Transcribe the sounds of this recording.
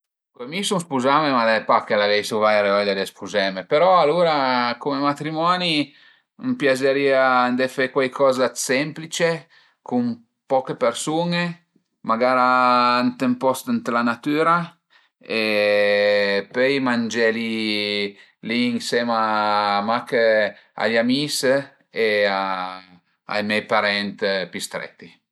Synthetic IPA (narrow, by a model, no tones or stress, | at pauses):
kwemisuŋspuzamemad̪ɛpakːelavɛjsuvajɾeɔlad̪espʰuzɛmepeɾɔaluːɾakumemat̪ɾimɔːni | mpjad͡ʒeɾiːaːnd̪ɛfɛkwajkʰɔːzasɛmplit͡ʃe | kum | pɔkepeɾsuŋe | maɡaːɾaant̪empɔst̪ant̪lanat̪yːɾa | e | pøjmand͡ʒɛli | liːŋsɛmamakea̰ʎamis | ea | a̰jmɛjpaɾɛnt̪pist̪ɾɛ̰t̪ːi